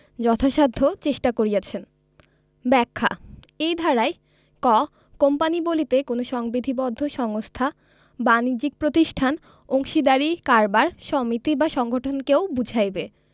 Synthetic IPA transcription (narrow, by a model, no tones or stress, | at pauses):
d͡ʑɔt̪ʰaʃad̪ʱːot͡ɕeʃʈakoɾijat͡ɕʰen | bɛkʰːa̰ | ejd̪ʱaɾaj | kɔ | kompanibolit̪ekonoʃɔŋbid̪ʱibɔd̪ʱːoʃɔŋost̪ʰa | banid͡ʑik̚pɾot̪iʃʈʰan | oŋʃid̪aɾikaɾbaɾʃɔmit̪ibaʃɔŋɡʱoʈʰonkewbud͡ʑʱajbe